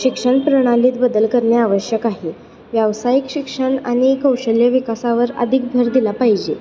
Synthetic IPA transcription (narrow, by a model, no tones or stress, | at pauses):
ɕikʂəɳpɾəɽ̃aliːt̪bəd̪əlkəɾɳjaaʋəɕjəkaɦiː | ʋjaʋsajikɕikʂəɳa̰ɽ̃ikəwɕəljəʋikasaʋəɾə̰d̪ʱik̚bʱəɾd̪ilapaɦid͡ʑe